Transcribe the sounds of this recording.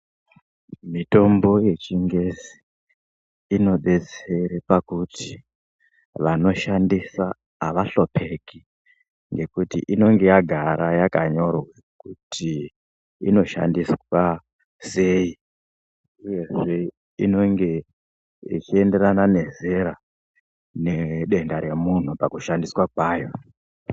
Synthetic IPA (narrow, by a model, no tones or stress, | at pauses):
mito̞mbo̞je̞t͡ʃiŋɡe̞si̥ | no̞ɗe̞t͡seɾepakutʰi | ʋano̞ʃandisaː | ʋaɬo̞pʰe̞ki | ŋɡe̞kutḭʔino̞ŋɡe̞jaɡʱaɾajakaɲo̞rwekutʰi | ino̞ʃa̰ndiswa | se̞ːi | uje̞ʐe̞ | ino̞ŋɡe̞ | it͡ʃie̞nde̞ɾanane̞ze̞ɾa | ne̞ɗe̞ndaɾe̞mun̤upakuʃandiswakwaːjo̞